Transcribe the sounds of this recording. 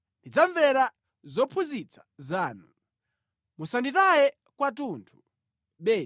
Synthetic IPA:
ndid͡zaɱvɛɾa | zɔpʰuzit͡sʰḁzaːnu | musanditajɛ | kwat̬uːntʰu̥ | ɓɛː

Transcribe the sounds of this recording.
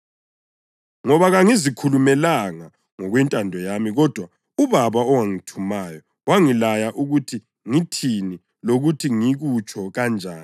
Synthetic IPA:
ŋɔβaɣaŋizikʰulumɛlaŋa | ŋɔɣwɛntʼandʱɔjamiɣɔd̥ʱwa | uβaβaɔwaŋitʰumaːjɔ | waŋilajaʔuɣutʰi | ŋitʰini | loɣutʰiŋiɣut͡ʃʰʼɔɣand͡ʒʱaːni

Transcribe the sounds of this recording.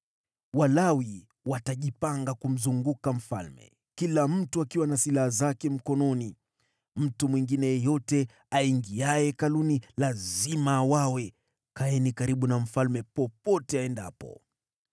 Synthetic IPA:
walawi | wataʄipaŋɡakum̩zuŋɡukam̩fa̰lmɛ̰ | kilam̩tuakiwanasilahazakɛm̩kɔnɔni | m̩tumwiŋɡinɛjɛjɔtɛ | aiŋɡiajɛkalunilazimawawɛ | kaɛnikaɾiɓunam̩falmɛpɔpɔtɛaɛnda̰pɔ̰

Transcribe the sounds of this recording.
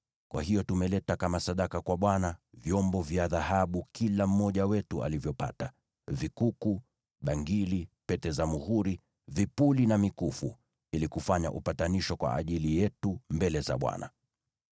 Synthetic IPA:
kwa̰ɦijɔtumɛlɛtakamasaɗakakwaɓwanavjɔmbɔvjaðahaɓukilam̩mːɔʄawɛtua̰livjɔpa̰ta | vikuku | ɓaŋɡilipɛtɛzamuhuɾi | vipulinamikufu | ilikufaɲa̰ʔupataniʃɔkwa̰ʔːʄilijɛtumbɛlɛza̰ɓwa̰na̰

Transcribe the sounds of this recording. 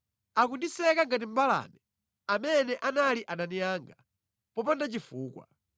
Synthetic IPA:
akundisɛkaŋɡat̬im̩bala̰nɛ | amɛnɛʔanaliʔananijaːŋɡa | pɔpandat͡ʃifuːkwa̰

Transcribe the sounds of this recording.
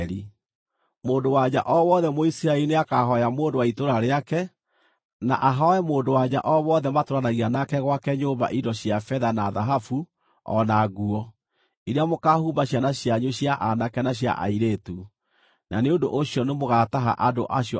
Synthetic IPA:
ɾi | moːndowaɲaʔɔwɔðɛmoisiɾaɛlineakaɦɔjamoːndowaitoɾaɾeakɛ | na̰ʔaɦaɛmoːndowaɲa̰ʔɔβɔðɛmatoɾanaɣianakɛɣwakɛɲomba̰ʔidɔɕjafɛðanaðaɦafu | ɔ̰naɣuɔ | iɾeamokahuːmbaɕanaɕjaɲoɕjaʔanakɛnaɕ̬ja̰ʔa̰iɾetu | nʔaneondo̰ʔoɕjɔnemoɣataɦa̰ʔado̰ʔaɕjɔ

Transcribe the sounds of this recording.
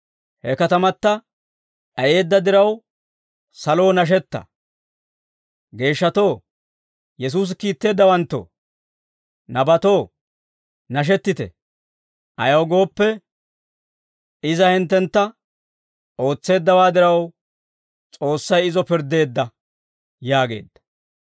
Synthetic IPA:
hɛkɐt̪ɐmɐt̪ːɐ | ʔɐje̞ːd̪ːɐd̪ɪɾɐw | sɐlo̞ːnɐʃ̬ɛt̪ːɐ̰ | ɡe̞ːʃːɐt̪o̞ː | jɛs̬uːs̬kiːt̪ːe̞ːd̪ːɐwɐnt̪ːo̰ | nɐbɐt̪o̞ː | nɐʃ̬ɛt̪ːɪt̪ɛ̰ | ʔɐjɐwɡo̞ːpːɛ | ɪzɐhɪnt̪ːɛnt̪ːɐ | ʔo̞ːt͡sːe̞ːd̪ːɐwaːd̪ɪɾɐw | t͡sʼo̞ːsːɐjɪzɔpɪɾd̪e̞ːd̪ːɐ | jaːɡe̞̰ːd̪ːɐ̥

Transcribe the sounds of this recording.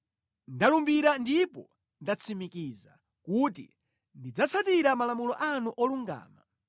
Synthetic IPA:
ndalumbiɾandipɔ | ndat͡sʰimikiːza | kutḭ | ndid͡zat͡sʰatiɾamalamulɔʔanuʔɔluŋɡa̰ːma

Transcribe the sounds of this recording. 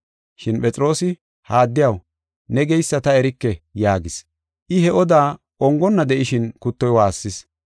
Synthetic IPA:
ʃɪnpʼɛt͡sʼɪɾo̞ːsɪ | haːd̪ːɪjɐw | nɛɡɛjsːɐt̪ɐɛɾɪkːɛjaːɡɪs | ʔɪɦɛɔd̪aː | ʔɔŋɡɔnːɐd̪ɛʔɪʃɪnkʊt̪ːɔjwaːsːɪs

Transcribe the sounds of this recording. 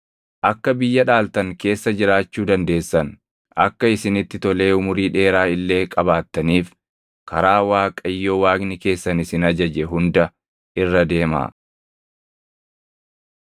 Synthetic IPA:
ʔɐkːɐbɪjːɐᶑaːlt̪ɐŋke̞ːsːɐd͡ʒɪɾaːt͡ʃːuːd̪ɐnd̪e̞ːsːɐn | ɐ̰kːɐɪsɪnɪt̪ːɪt̪ɔle̞ːʊmʊɾiːᶑe̞ːɾaːɪlːe̞ːkʼɐbaːt̪ːɐniːf | kʰɐɾaːwaːkʼɐjːo̞ːwaːɡnɪke̞ːsːɐnɪsɪnɐd͡ʒɐd͡ʒɛɦʊnd̪ɐ | ʔɪrːɐd̪e̞ːma̰ː

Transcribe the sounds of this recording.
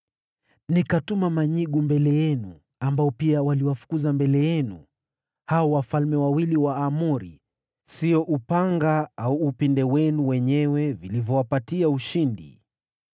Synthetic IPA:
nikatumamaɲiɠumbɛlɛjɛnu | ambaɔpiawaliwafu̥kuzambɛlɛjɛnṵ | haɔwafalmɛwawiliwaːmuɾi | siɔʔupaŋɡaauːpindɛwɛnuwɛɲɛwɛvilivjɔwapatiauʃindḭ

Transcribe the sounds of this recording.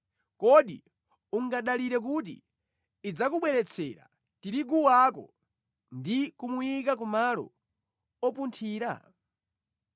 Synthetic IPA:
kɔɗi | uŋɡaɗaliɾɛk̬ut̬ḭː | d͡zakuɓwɛɾɛt͡sʰɛɾa̰ | tiɾiɡuwakɔ̰ | ndikumujik̬ak̬umalɔ̰ | ɔpuntʰiːɾa̰

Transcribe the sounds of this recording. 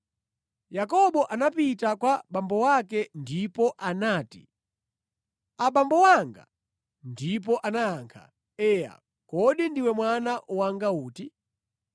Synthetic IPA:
jakɔɓɔʔanapitakwaɓambɔwakɛndipɔʔanaːti | aɓambɔwaŋɡa̰ | ndip̬ɔʔanaaŋkʰa̰ | ɛja̰ | kɔɗindiwɛmwanaʔuwaŋɡauːti

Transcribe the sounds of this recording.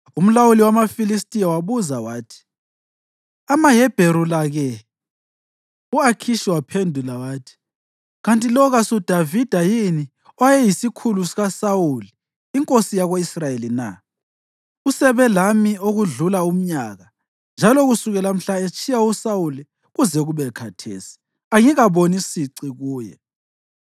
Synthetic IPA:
um̩lawuliwamafilistʼijawaβuzawaːtʰi̥ | amaɦɛb̥ʱeɾulaɣɛ | uakʰiʃiwapʰendʱulawaːtʰi̥ | ɣantʼilɔɣasud̥ʱavid̥ʱajini | ajɛjisikʰulusiɣasauliː | ŋkʼosijaɣoisrajelina̰ | usɛβɛlamioɣuɮulaum̩ɲaɣa | nd͡ʒʱaloɣusuɣɛlam̩ɬaet͡ʃʼʰijausawuli | ɣuzɛɣuβɛkʰatʰḛːsi̥ | aŋiɣaβonisiǀiɣuːjɛ̰

